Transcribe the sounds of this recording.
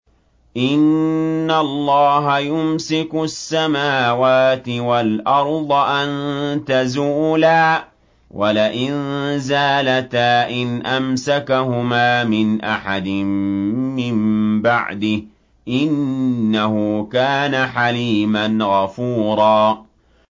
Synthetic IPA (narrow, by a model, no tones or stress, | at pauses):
ʔɪnːalˤːɑːɦajʊmsɪkʊsːamaːwaːt̪ɪwalʔɑɾˤd̪ˤɑʔant̪azuːlaː | wʔalaʔɪnzaːlat̪aːʔɪnʔamsakahʊmaːmɪnʔaħad̪ɪmːɪmbaʕd̪ɪh | ʔɪnːahʊkaːnaħaliːmanɣafuːɾˤɑː